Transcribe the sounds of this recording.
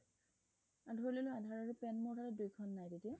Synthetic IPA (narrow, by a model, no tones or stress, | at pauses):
adʱoɹilolʊadʱaɹaɹʊpɛnmʊɹkʰatadujkʰɔnːajtetiɛ